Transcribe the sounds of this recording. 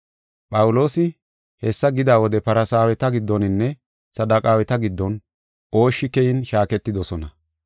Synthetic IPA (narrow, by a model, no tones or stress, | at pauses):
pʼɐwʊlo̞ːsɪ | hɛsːɐɡɪd̪aːwɔd̪ɛpɐɾɐsaːwɛt̪ɐɡɪd̪ːɔnɪnːɛ | sɐd̪ːɐkʼaːwɛt̪ɐɡɪd̪ːɔn | ʔo̞ːʃːɪkɛjɪnʃaːkɛt̪ːɪd̪ɔsɔnɐ